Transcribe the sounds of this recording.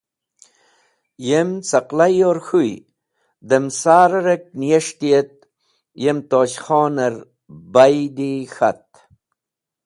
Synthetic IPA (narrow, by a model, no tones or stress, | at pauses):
jemt͡sɐqlajoɾxuj | d̪emsaːɾɐɾek̚nijeʂt̪ijet̪̚ | jemt̪oːɕxoːnɐɾ | bajd̪ixa̰t̪̚